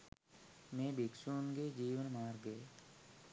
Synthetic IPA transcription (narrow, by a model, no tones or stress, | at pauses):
mẽːbiksuːnɡeːd͡ʒiːʋənmaːɾɡeː